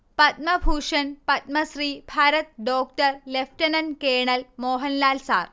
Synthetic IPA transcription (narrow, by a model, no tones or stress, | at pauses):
pɐt̪̚mɐbʱuːʂɐnpɐt̪̚mɐsɾiːbʱaːɾɐt̪̚ɖoːk̚ʈɐɾlefʰʈɐnɐnkeːɳɐlmoːɦɐnlaːlsa̰ːɾ